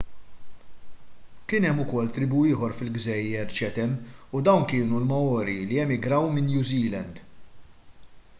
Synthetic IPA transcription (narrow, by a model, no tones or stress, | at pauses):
kɪːnɛmːʊkɔlːt̪ɾɪbuɪːħɔɾfɪlɡzɛjːɛɾt͡ʃɛt̪ɛnud̪ɐwnkɪːnulmɐɔːɾiliɛmɪɡɾɐwmɪnːjuziːlɛnd̪